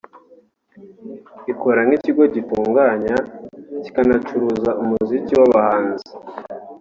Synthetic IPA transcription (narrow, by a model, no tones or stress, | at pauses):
iko̞ɾaŋŋiciɡo̞ɟituːŋɡaːɲaci̥kanat͡ʃuɾuzaumuziciwaβahaːnzi